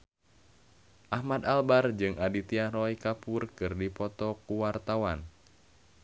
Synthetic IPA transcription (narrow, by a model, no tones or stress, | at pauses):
ʔahmad̪albard͡ʒɨŋʔadit̪iarɔikapurkɨrdipɔt̪ɔkuwart̪awan